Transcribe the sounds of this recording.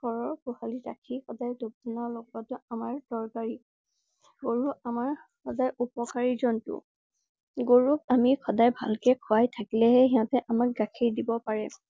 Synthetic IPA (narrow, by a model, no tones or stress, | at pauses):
kɔɹɔɹkuhaliɹa̰kʰixɔdajdob̚dinɔɹlɔɡbɔtʊamaɹdɔɹkaɹi | ɡoɹuamaɹ | xɔdajupɔkaɹizɔntʊ̰ | ɡoɹuk̚amikʰɔdajbʱa̰lkɛkʰʊajtʰakilɛɦɛɦiɦɔ̃tɛʔamak̚ɡakʰiɹdibɔpaɹɛ